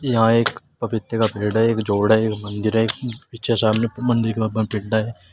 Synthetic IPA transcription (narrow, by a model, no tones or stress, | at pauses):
jɐɦãeːk | pɐpɪt̪ːjəkapeːɽɛeːkd͡ʒoːɽɛeːkmɐ̃nd̪ɪɾɦɛeːkpɪʃʰesaːbnemɐ̃nd̪ɪɾkebaãpɪɽɖaɦɛː